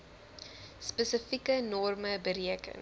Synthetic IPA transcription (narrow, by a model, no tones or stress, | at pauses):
spəsəfikənɔrməbəɾiəkə̰ŋ